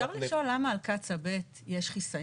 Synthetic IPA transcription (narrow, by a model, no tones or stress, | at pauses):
aʁliʃolːamaːlkat͡sabet | jeʃχisa